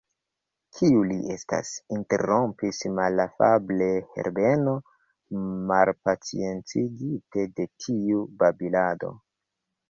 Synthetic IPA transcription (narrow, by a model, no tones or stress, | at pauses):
kʰiuliʔe̞sta̰sinte̞̰ɾo̞mpismalafable̞he̞̰ɾbe̞no̞ | malpat͡sḭe̞nt͡siɡite̞de̞tʰiubabilado̞̰